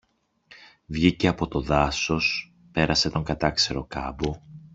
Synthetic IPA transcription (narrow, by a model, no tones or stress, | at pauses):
vʝice̞ɐpo̞t̪o̞ðɐso̞s | pe̞ɾɐse̞t̪o̞ŋɡɐt̪ɐkse̞ɾo̞kɐ̰bu